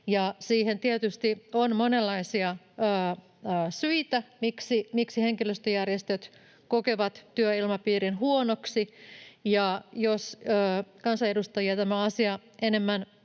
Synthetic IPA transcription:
jɑsiːhent̪iet̪yst̪ionmonelːɑisiɑ | əː | əːsyit̪æmiksimiksiheŋkiløst̪øjærjest̪øt̪ | kokeʋɑt̪t̪yøilmɑpiːrinɦuonoksijɑjosəːkɑnsɑedust̪ɑjiɑt̪æmæɑsiɑ | ʔenemːæn

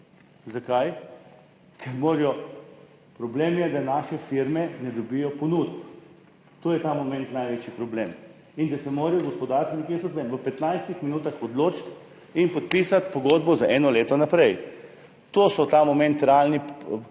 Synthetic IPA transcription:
zakaj | kʰɛɾmoːɾjɔ | pɾɔbleːmjɛd̪anaːʃɛfiɾmɛnɛd̪obijɔponut̪p | t̪oːjɛt̪amomɛ̃nt̪najʋeːt͡ʃipɾɔbleːm | ind̪asɛmoːɾɛjɔɡospɔd̪aɾst̪ʋnikesɔt̪ʋɛmʋəpɛt̪najst̪ixminuːt̪axɔd̪loːt͡ʃt̪ | inpɔt̪̚piːsat̪pɔɡod̪bɔzaʔɛnɔleːt̪ɔnapɾɛj | t̪oːsɔt̪amɔmɛ̃nt̪ɾɛalni

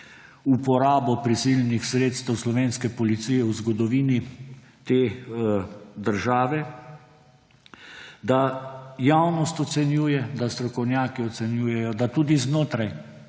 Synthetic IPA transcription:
upɔɾaːbɔpɾisilnixsɾeːt̪st̪ɛwslɔʋeːnskɛpɔlit̪siːjɛwzɡɔd̪ɔʋiːni | t̪eː | d̪əɾʒaːʋɛ | d̪ajawnɔst̪ɔt̪sɛnjuːjɛd̪ast̪ɾɔkɔwnjaːkiɔt̪sɛnjuːjɛjɔd̪at̪uːd̪iznoːt̪ɾaj

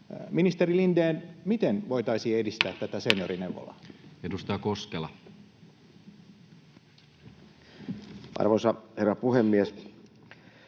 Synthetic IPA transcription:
minist̪eɾilind̪eːnmit̪enʋo̞jt̪ɑisiːedist̪æːt̪ːæt̪æsenjoɾineʋːo̰lɑ̰edust̪ɑɑkoskelɑ | ʔɑ̰rʋosɑherːɑpuhemːies

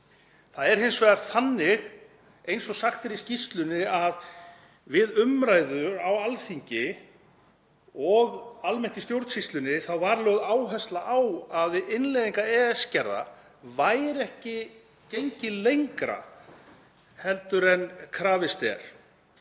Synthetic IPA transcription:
θaðɛɾ̥hɪnsvɛðaɾ̥θanːɪɣ | ejnsɔsaxt̪ɛɾiscist̪lʏnɪað | vɪðʏmɾaːjðʏɾawalθiɲcɪ | ɔɣalmɛn̥t̪ist̪jowɾt̪sist̪lʏnɪθawvaɾlœːwðaːwɦɛst̪laʔawaðɪɪnlejðiŋkaɛːɛscɛɾða̰ | vaːjɾɛhcɪ | cejɲcɪlejŋkɾa̰ | hɛlt̪ʏɾɛnkʰɾaːvɪst̪ɛ̰ɾ̥

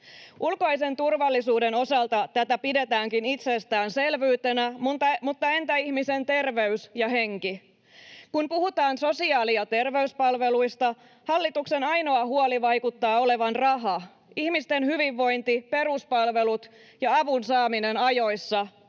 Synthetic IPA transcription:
ʔulko̞ise̞nt̪urʋɑlːisuːde̞no̞sɑlt̪ɑt̪æt̪æpide̞t̪æːŋkinit̪sest̪æːnse̞lʋyːt̪e̞næmmut̪ːɑe̞nt̪æihmise̞nt̪e̞rʋe̞ysjɑɦe̞ŋki | kunpuhut̪ɑːnso̞siɑːliɑt̪e̞rʋe̞yspɑlʋe̞luist̪ɑ | hɑlːit̪ukse̞nɑjno̞ɑɦuoliʋɑjkut̪ːɑːo̞le̞ʋɑnrɑɦɑ | ihmist̪e̞nhyʋiʋːo̞jnt̪ipe̞ɾuspɑlʋe̞lut̪ | jɑɑʋunsɑːminenɑjo̞jsːɑ

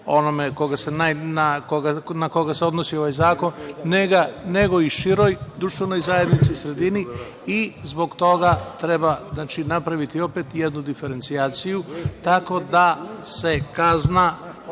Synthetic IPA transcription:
o̞nomeko̞ɡase̞nanakoɡanako̞ɡase̞o̞d̪nosio̞ʋajzaːko̞nːeɡane̞ɡo̞iʃiɾo̞jd̪ɾuʃt̪ʋe̞no̞jzaje̞d̪nit̪siusɾe̞d̪ini | izbo̞ɡt̪o̞ɡat̪ɾe̞baznaːt͡ʃinapɾaʋit̪io̞pet̪jed̪nud̪ife̞ɾe̞nt̪sijaːt̪sijut̪ako̞d̪ase̞kazna

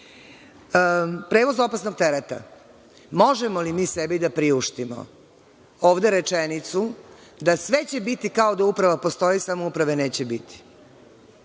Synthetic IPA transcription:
pɾe̞ːʋo̞zo̞pasnoɡ̚t̪eɾet̪a̰ | mo̞ʒemolimiːsebid̪apɾiuʃt̪imo̰ | oːʋd̪e̞ɾet͡ʃenit̪sud̪asʋe̞t͡ɕe̞bit̪ikao̞d̪aupɾaʋapost̪o̞jisamoupɾaʋe̞ne̞ːt͡ɕebit̪i̥

